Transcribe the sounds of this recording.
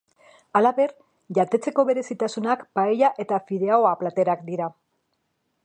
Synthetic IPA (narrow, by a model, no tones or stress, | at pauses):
alaβe̞r | ʝat̪e̞t͡se̞ko̞βe̞ɾe̞sit̪asunakpaeʎaʔe̞t̪afiðe̞aoaplat̪e̞ɾakd̪iɾa